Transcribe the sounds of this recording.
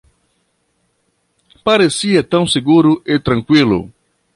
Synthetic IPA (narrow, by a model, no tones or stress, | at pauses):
paɾesiɐt̪ɐ̃w̃seɡuɾʊʔet̪ɾɐ̃ŋkwilʊ̰